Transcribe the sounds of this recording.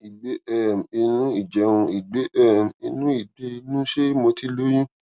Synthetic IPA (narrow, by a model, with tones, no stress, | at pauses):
i˨ɡ͡be˨˦ɛ˦˨m˨i˧nũ˦i˦˨d͡ʒɛ˨˦wũ˧i˨ɡ͡be˨˦ʔɛ˦˨m˨i˧nũ˦i˦˨ɡ͡be˨˦˧nũ˦ʃe˦mo˧ti˦lo˦j̃ĩ˦